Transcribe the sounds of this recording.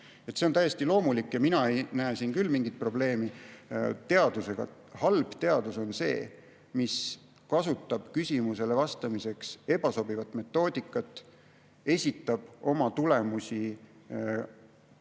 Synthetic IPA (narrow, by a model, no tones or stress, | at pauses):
et̪se̞ont̪æjːest̪ilo̞ːmulikːˑjɑminɑe̞jnæesinkylmiŋɡit̪̚pro̞ble̞ːmi | t̪e̞ɑd̪̥use̞ɡ̥ɑ̰ | hɑlb̥t̪e̞ɑd̪uso̞nse̞̰ː | mis | kɑsut̪ːˑɑb̥kysʲimuse̞le̞vɑst̪ɑmise̞kse̞b̥ɑso̞bivɑt̪ːˑme̞t̪ˑːo̞ːd̪̥ikːˑɑt̪ˑː | e̞sʲit̪ːˑɑb̥o̞mɑt̪ule̞musʲi